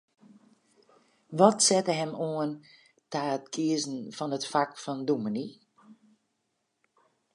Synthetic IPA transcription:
ʋɔtsɛtəɦɛmoən | taːətkʰiəzn̩fɔnətfakfɔnduməni

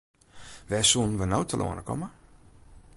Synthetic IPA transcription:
ʋɛːsun̩ʋənowtʰəlʔo̰ːənəkɔ̰mə

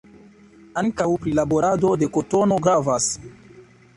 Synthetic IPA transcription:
aŋkawpɾilabo̞ɾado̞de̞koto̞no̞ɡɾavas

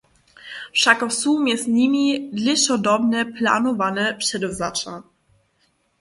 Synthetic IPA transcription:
fʂakɔsumjɛst̪ɲimʲid̪lʲɛɕɔd̪ɔbnɛpla̰nɔvanɛpʂɛd̪ɔvzat͡ʂa

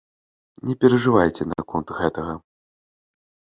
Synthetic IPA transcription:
nʲɛpʲɛɾɐʐɨvajt͡sʲɛna̰kɔnt̪ɣɛt̪ɐɣɐ

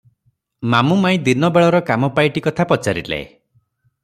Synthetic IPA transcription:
mamumaĩd̪inɔbeɭɔɾɔkamɔpajʈikɔt̪ʰapɔt͡ʃaɾilḛe

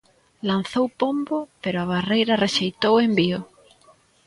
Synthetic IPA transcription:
lan̟θowpombopeɾoaβ̞arejɾareʃejt̪owembio

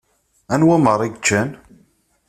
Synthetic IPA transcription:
ænwæməɾˤiɡt͡ʃːæn

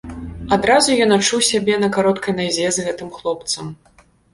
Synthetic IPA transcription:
ad̪ɾazujɔnat͡ʂuwsʲabʲɛnɐkaɾɔt̪kʰɐjnazʲɛzɣɛt̪ɨmxlˠɔpt̪sɐm

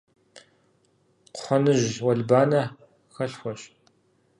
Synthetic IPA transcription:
qʷʊ̥ħʷɔnɨʑwɐɮbaːnɐ | xɐɬxʷɔɕʼ

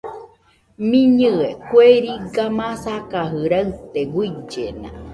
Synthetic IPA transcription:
mĩɲɨekʷeɾiɡamãsakaɦɨɾaɨt̪eɡʷid͡ʒenã̰

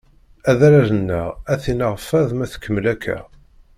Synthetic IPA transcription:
æðæɾæðənːəʁæθinəʁfːæðmæθə̥kːəmːlækʰːæ̰

